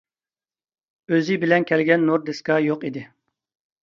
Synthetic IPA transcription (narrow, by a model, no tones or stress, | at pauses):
øzɪbɪlɛnkʲʰɛlɡʲɛnːoɾd̪eskɑjoqid̪ɪ